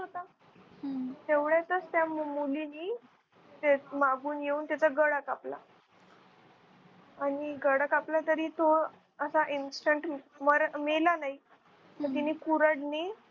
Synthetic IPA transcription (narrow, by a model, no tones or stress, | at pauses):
ɦot̪a | t̪eʋɭjat̪əst̪jammuliniː | t̪emaɡuːnjeuːnt̪jat͡saɡəɽakapla̰ | aɽ̃iɡəɽakaplat̪əɾiːt̪o | əsaʔinsʈəɳʈməɾmelanaɦi | t̪əɾt̪̬iniːkuɾəɽni